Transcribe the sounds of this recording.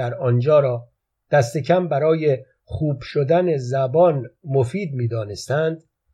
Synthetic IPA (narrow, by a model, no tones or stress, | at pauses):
æɾɒnd͡ʒɒːɾɒː | d̪̥æst̪e̞cʰæmbæɾɒːje | χuːb̥ʃod̪æne̞zæbɒːnmofiːd̪̚miːd̪ɒːnest̪ænd̪̥̚